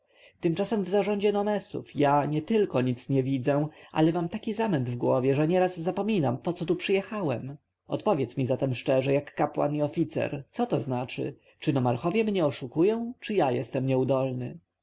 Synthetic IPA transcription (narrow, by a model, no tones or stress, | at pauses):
t̪ɘmt͡ʂasɛmvzaʐɔ̃ɲd͡ʑɛnɔmɛsṵfjaɲɛt̪ɘlkɔɲit̪sɲɛvʲid̪zɛʔa̰lɛmamt̪akʲizamɛnd̪vɡwɔvʲjɛʐɛɲɛɾazːapɔmʲinampɔt̪sɔt̪upʂɘjɛxawɛm | ɔ̰t̪pɔvʲjɛt̪smʲizat̪ɛmʂt͡ʂɛʐɛjakːapwa̰niɔfʲit̪sɛ̰ɾt̪sɔt̪ɔznat͡ʂɘ̰ | t͡ʂɘnɔmaɾxɔvʲjɛmɲɛɔʂukujɔ̃w̃t͡ʂɘjajɛst̪ɛmɲɛud̪ɔlnɘ